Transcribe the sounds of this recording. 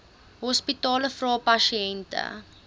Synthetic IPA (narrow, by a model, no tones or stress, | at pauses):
ɦɔspitɑːləfrɑːpɐʃiɛntə̰